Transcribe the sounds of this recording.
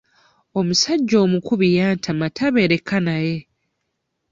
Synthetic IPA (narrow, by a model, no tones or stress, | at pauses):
o̞musaɟːo̞ːmukuβijaːntʰamatʰaβe̞ːɾe̞kːanaje